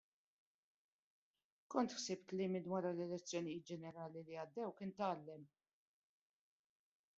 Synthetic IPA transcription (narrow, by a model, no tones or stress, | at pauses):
kɔnt̪ħsɪpt̪lɪmɪd̪wɐɾɐlɛlɛt͡sːjɔnɪjɪːt̪̚d͡ʒɛnɛɾɐːliliɐd̪ːɛwkɪːnt̪ɐːlːɛm